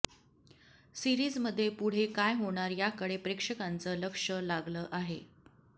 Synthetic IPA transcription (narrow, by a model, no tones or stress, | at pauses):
siɾiːd͡zməd̪ʱːjepuɽ̤ekajɦoɽ̃aɾjakəɽepɾekʂəkant͡səːləkʂəlaɡləːʔaɦe